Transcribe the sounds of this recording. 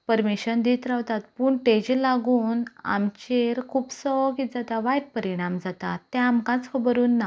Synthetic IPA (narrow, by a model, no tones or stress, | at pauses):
pəɾmiɕənd̪it̪ɾaʋt̪at̪̚puːɳʈed͡ʑlaɡuːna̰mt͡ɕeɾkʰuːpsɔɡit̪̚d͡zat̪aʋajʈ̚pəɾiɽ̃amd͡zat̪a̰t̪ːɛ̃amkãt͡skʰəbəɾuːnːa